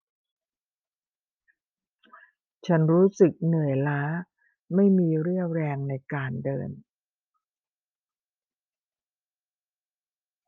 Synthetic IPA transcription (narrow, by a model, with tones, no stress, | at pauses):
t͡ɕʰa˦˥nɾuː˦˥sɯ˨˩k̚nɯ˨˩əjlaː˦˥ | ma˥˩jmiː˧ɾɯ˥˩əɾɛː˧ŋna˧jkaː˧ndɤ̰ː˧n